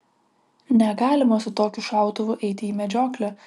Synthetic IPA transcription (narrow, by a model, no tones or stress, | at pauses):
nʲɛɡɑːlʲɪmɐsʊt̪oːkʲʊʃɑˑʊt̪ʊʋʊʔɛɪt̪ʲɪiːmʲɛd͡ʒʲoːklʲɛ